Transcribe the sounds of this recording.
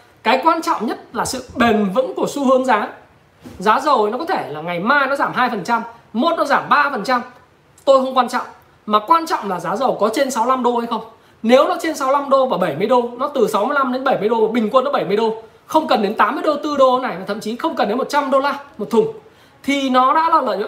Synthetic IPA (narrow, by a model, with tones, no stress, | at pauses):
kaː˨˦jkwaː˧nt͡ɕɔ̰˧˨wŋ͡mɲə˦˥t̚laː˨˩sɨ̰˧˨ɓe˨˩nvɨ̰˧˥ŋku˧˩əsu˧hɨ˨˦əŋzaː˨˦ | zaː˨˦zə˨˩wnɔ˨˦kɔ˨˦t̪ʰe˧˩laː˨˩ŋa˨˩jmaː˧jnɔ˨˦zaː˧˩mɦaː˧jfə˨˩nt͡ɕa˧mːo˨˩˥t̚nɔ˨˦zaː˧˩mɓaː˧fə˨˩nt͡ɕa˧m | t̪o˧jxə˧wŋ͡mkwaː˧nt͡ɕɔ̰˧˨ŋ͡m | maː˨˩kwaː˧nt͡ɕɔ̰˧˨wŋ͡mlaː˨˩zaː˨˦zə˨˩wkɔ˨˦t͡ɕe˧nsa˨˦wla˧mɗo˧ha˧jxə˧wŋ͡m | ne˨˦wnɔ˨˦t͡ɕe˧nsa˨˦wla˧mɗo˧vaː˨˩ɓə˧˩jmɨ˧əjɗo˧nɔ˨˦t̪ɨ˨˩sa˨˦wmɨ˧əjla˧mɗe˨˦nɓə˧˩jmɨ˧əjɗo˧vaː˨˩ɓï˨˩ŋ̟kwnːɔ˨˦ɓə˧˩jm˧əjɗo˧ | xə˧wŋ͡mkə˨˩nɗe˨˦nt̪aː˨˦mːɨ˧əjɗo˧˩t̪ɨ˧ɗo˧na˨˩jmaː˨˩t̪ʰə̰˧˨mt͡ɕi˨˦xə˧wŋ͡mk̬ə˨˩nɗe˨˦mo˨˩t̚t͡ɕa˧mɗo˧laː˧mo˨˩t̚t̪ʰʊ˨˩ŋ͡m | t̪ʰi˨˩nɔ˨˦ɗa̰ː˧˥laː˨˩lə̰ː˧˨j̰